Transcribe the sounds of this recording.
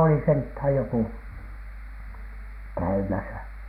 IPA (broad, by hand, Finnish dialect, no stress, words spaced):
oli senthæˑj jokuˑ kæymæsæ